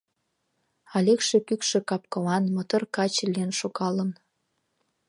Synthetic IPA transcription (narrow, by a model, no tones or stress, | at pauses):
ɑlʲekʃekykʃĕkɑp̚kolɑnmət̪ərkɑt͡ɕlʲienʃoɣɑlən